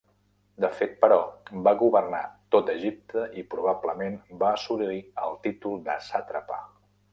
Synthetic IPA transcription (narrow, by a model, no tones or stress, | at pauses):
d̪əfet̪̚pəɾɔbaɣuβərnat̪ot̪əʒip̚t̪ʰəʔipɾuβabləmenbaəsuɾiəlˠt̪it̪ulˠd̪əsat̪ɾəpa̰